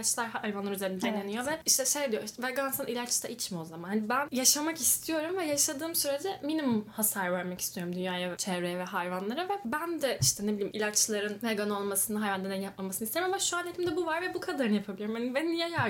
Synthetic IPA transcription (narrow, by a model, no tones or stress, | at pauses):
at͡ʃlˠaɾhajvanlˠaɾyzeɾind̪enenijo̞vɛiʃt̪ʰɛʃejd̪ijoʃvɛɡansanʔilʲat͡ʃt̪ʰɛʔit͡ʃmio̞zamanhanibænjaʃamakist̪ʰijo̞ɾumvɛjaʃad̪ɯːmsyɾe̞d͡ʒɛminimumhasaːɾvæɾmaci̥st̪ʰijo̞ɾumd̪ynjaːjat͡ʃʰɛvɾejɛvɛɦajvanlˠaɾavɛbænd̪ɛʔiʃt̪ʰɛnebilʲimʔilʲat͡ʃlˠaɾɯnveɡano̞lˠmasɯnɯɦajvand̪ad̪ɛnjap̚mamasɯnɯist̪ʰeɾimamaʃuanʲjet̪ʰimd̪ɛbuvaɾvɛbukʰad̪aɾɯnɯjapʰabilʲiɾumhanibeninjaja